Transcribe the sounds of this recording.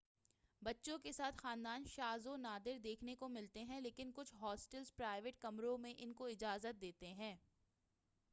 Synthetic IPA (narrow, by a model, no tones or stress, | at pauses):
bɐtːʃõkesaːt̪ʰxaːnd̪aːnʃaːzonaːd̪ɪɾd̪eːkʰnekomɪlt̪eɦɛ̃leːkɪnkʊt͡ʃʰɦɔːsʈəlzpɾaːɪʋeʈ̚kɐmɾõmẽʔɪnkoɪd͡ʒaːzət̪̚d̪eːt̪eɦɛ̃ː